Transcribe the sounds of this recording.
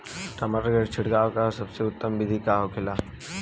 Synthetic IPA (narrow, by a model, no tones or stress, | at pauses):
ʈɐməɾɡəɾt͡ʃʰɪɽɡaːʋkasɐbseʊt̪ːəmbɪd̪ʱikaːɦokʰɪlaː